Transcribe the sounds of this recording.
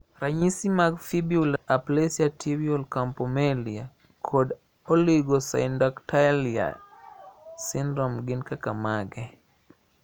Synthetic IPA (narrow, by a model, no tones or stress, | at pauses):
raɲisimaɡfibiulaplesjatibiɔlkampɔmelia | kʰod | ɔliɡɔsa̰ɪndɔktalia̰ | sɪndɾɔmɡɪnkakamaɡɛ